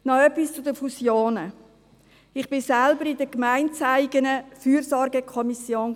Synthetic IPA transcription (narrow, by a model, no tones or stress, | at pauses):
nɔœpist͡sʊdəfusjoːnə | ɪχb̥ɪsælbəɾɪdəkmaɪnt͡saɪɡənəfyːɾsɔɾɡəkʰɔmisjoːn